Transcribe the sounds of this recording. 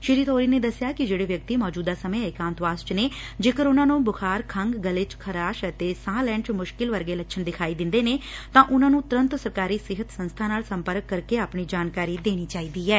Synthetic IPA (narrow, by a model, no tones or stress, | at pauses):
ʃɪɾiːt̪ʰoːɾiːneːd̪əsːjaːkɪd͡ʒeːɽeːʋjək̚t̪iːmɔːd͡ʒuːd̪aːsəmẽːɪkãːnt̪ʋaːsʈneːd͡ʒeːkəɾʊnãːnõːbʊkʰaːɾkʰəŋɡɡəlɪt͡ʃkʰəɾaːʃət̪eːsãːlɛ̃ːɳʈmʊʃkɪlʋəɾɡeːləʃʰənd̪ɪkʰaːiːd̪ɪ̃nd̪eːneːt̪ãːʔʊnãːnũːt̪ʊɾə̃nt̪səɾkaːɾiːsɪɦət̪sə̃nst̪ʰaːnaːlsəmpəɾəkːəɾkːeaːpɳiːd͡ʒaːnkaːɾiːd̪eːɽ̃iːt͡ʃaːiːd̪iːɛː